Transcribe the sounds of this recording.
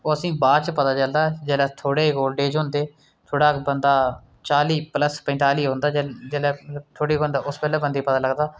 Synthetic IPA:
oːəsĩːbaːt͡ʃpət̪aːt͡ʃəld̪aːd͡ʒɛːlɛːt̪ʰoːɽeːkoːlɖeːd͡ʒɦõːnd̪eː | t̪ʰoːɽaːkbənd̪aː | t͡ʃaːliːpləspɛ̃ːnt̪aːliːɦõːnd̪aːd͡ʒɛːlɛːmələbt̪ʰoːɽeːkoːnd̪aːʊspɛːlɛːbənd̪iːpət̪aːləɡd̪aː

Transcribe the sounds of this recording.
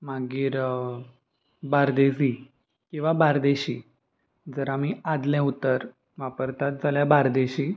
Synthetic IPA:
maɡiːɾ | baɾd̪es̬i | kĩw̃ʋabaɾd̪eɕiː | d͡zəɾamiad̪lɛ̃ut̪ːəɾ | ʋapəɾt̪at̪̚d͡zaljabaɾd̪eɕiː

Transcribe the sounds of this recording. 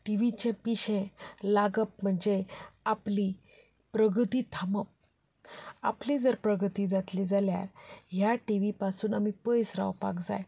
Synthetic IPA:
ʈiʋit͡ɕẽpiɕẽlaɡəp̚m̤əɳd͡zeapli | pɾəɡt̪iːt̪ʰaməp̚ | a̰plid͡zəɾpɾəɡət̪iːd͡zat̪lid͡zalja̰ɾɦjaʈiʋipasuːnamipəjsɾa̰wpa̰kd͡za̰j

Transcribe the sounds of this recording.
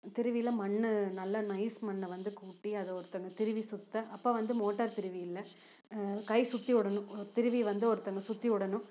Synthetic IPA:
t̪ɪɾɯʋɪjɪlːɐmɐɳːɯnɐlːɐnɐɪsmɐɳːɐʋɐnd̪ɯkuːʈːiɐðɯɔɾɯt̪ːɐŋɡɐt̪ɪɾɯʋisʊt̪ːɐʔɐpːɐːʋɐnd̪ɯmoːʈːɐːɾt̪ɪɾɯʋijɪlːɐ | kɐɪsʊt̪ːiʊɽɐnʊ̃t̪ɪɾɯʋiʋɐnd̪ɯɔɾɯt̪ːɐŋɡɐsʊt̪ːiɯɽɐnʊ̃

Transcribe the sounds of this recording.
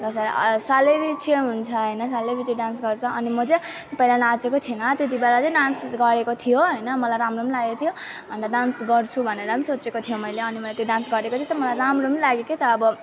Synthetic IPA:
rʌsaɾsalebit͡sʰeɦunt͡sʰʌɦʌjnʌsalebiʈʰiɖansɡʌrt͡sʰʌʔʌnimʌd͡ze | pailanat͡sekot̪ʰienʌt̪et̪̬ibeɾat͡sʌ̃ɖansɡʌɾekot̪ʰijoɦʌjnʌmʌlajɾamromilaɡekot̪ʰijo | bʱʌnd̪aɖansɡʌrt͡sʰubʱʌneɾʌsot͡sekot̪ʰijomʌjleʌnimʌlet̪joɖansɡʌɾekot̪ʰjot̪ʌmʌlajɾamromilaɡeket̪ʌːbʌ

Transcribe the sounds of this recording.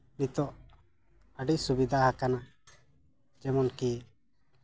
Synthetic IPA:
nit̪ɔʔ | əɖiʔsubid̪ʱahakana | d͡ʒɛmɔnki

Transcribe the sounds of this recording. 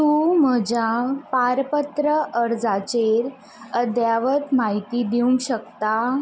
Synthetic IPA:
t̪um̤əd͡ʑapaɾpət̪ɾəʔəɾd͡zat͡ɕeɾ | əd̪jaʋət̪maɦit̪iːd̪iũŋɡɕəkt̪a

